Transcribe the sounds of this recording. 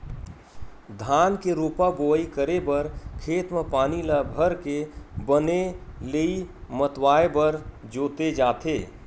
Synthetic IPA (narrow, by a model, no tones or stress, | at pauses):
d̪ʱaːnkeɾoːpaboːikəɾebəɾkʰeːt̪mepaːniləbʱəɾkebəneləimət̪waːebəɾd͡ʒoːt̪ed͡ʒaːt̪ʰeː